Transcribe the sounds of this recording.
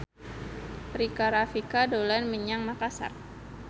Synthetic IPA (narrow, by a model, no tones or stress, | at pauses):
rikaɾafikadolanməɲaŋmakasa̰r